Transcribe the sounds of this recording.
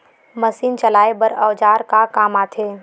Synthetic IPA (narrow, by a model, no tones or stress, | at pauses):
məsiːnt͡ʃəlaːebəɾəːd͡ʒaːɾkakaːmaːt̪ʰeː